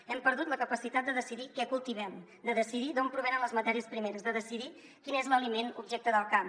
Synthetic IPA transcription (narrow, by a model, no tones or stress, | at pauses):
ɛmpəɾð̞ut̪ləkəpəsit̪at̪̚d̪əðəsiðikɛkulˠt̪iβɛm | d̪əðəsiðiðompɾuβɛnənləzmət̪ɛɾiəspɾimeɾəzðəðəsiði | kinezləlimenubʒɛk̚t̪əðəlˠkam